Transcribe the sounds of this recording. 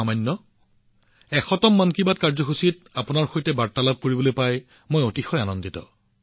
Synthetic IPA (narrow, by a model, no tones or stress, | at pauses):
amajnːɔ | ɛxɔtɔmːankibatkaɹzɔxusit̚apʊnaɹxojtɛbaɹ̚tːalab̚koɹibolojpaj | mojotixɔjanɔnditɔ̰